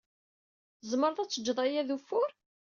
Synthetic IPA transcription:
zˤməɾˤðˤæt͡sːəd͡ʒːðˤɑjæðufʊɾ

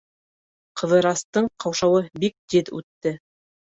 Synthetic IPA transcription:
qɤ̆ðɤ̆ɾɑst̪ɤɴqʰɑwʃɑwɤbik̚d̪iðʉ̰t̪ːɘ

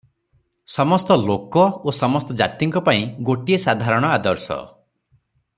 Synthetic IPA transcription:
sɔmɔst̪ɔlokɔosɔmɔst̪ɔd͡ʒa̰t̪iŋkɔpaĩɡoʈiesad̪ʱaɾɔɽ̃ɔad̪ɔɾsɔ̰

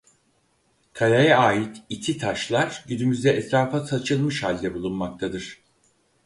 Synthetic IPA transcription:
kʰalajaaːjit̪it̪ʰit̪ʰaʃlˠaɾ̥ɟynymyzd̪ɛʔɛt̪ɾaːfasat͡ʃʰɯlˠmɯʃhalʲd̪ɛbulˠunmak̚t̪ʰad̪ɯɾ̥

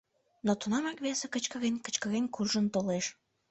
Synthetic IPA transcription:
not̪unɑmɑkβesekət͡ɕkəɣenʲkə̥t͡ɕkəɣenʲkurʒənt̪oleʃ

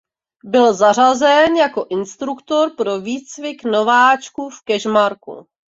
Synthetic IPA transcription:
bɪlzar̝azɛnjako̞ʔɪnst̪ɾukt̪o̞ɾpɾoviːt͡svɪkno̞vaːt͡ʃkufkɛʒmaɾkṵ

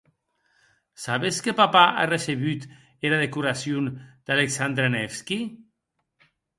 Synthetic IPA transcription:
saβeskepapaʔa̰reseβyt̪ | eɾaðekuɾasjund̪̥aleksand̪ɾenɛfski

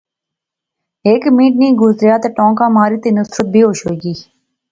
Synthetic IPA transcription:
eːkmĩːʈ̚nĩːɡʊzɾjaːt̪eːʈɔ̃ːŋkãːmaːɾiːt̪eːnʊsɾət̪̚bʱiːɦoːʃɦoːiɡiː

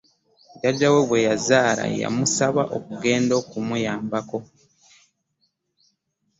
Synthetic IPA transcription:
ɟaɟaweβwe̞jazaːla̰ja̰musaβaʔo̞kuɡe̞ːndo̞kumujaːmbako̞

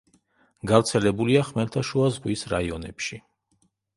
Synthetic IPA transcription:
ɡavɾt̪sʰɛlɛbuliaχmɛɾt̪ʰaʃuazʁwisɾa̰iɔnɛpʃi

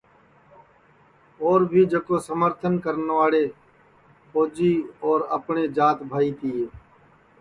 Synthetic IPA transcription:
oːɾbʱiːd͡ʒəkoːsəməɾt̪ʰənkəɾnʋaːɽeː | poːd͡ʒiːɔːɾə̰pɳeːd͡ʒaːt̪bʱaːiːt̪iːeː

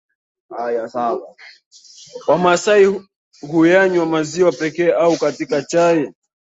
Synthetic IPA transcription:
ajaawa | wamasai | ɦujaɲwamaziwapɛkɛːʔaukatikat͡ʃajɛ

